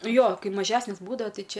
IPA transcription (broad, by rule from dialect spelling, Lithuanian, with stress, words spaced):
ˈjoː ˈkɐɪ mɐˈʒʲæːsʲnʲeːs ˈbuːdɐʋoː ˈtɐɪ ˈt͡ʃʲɛ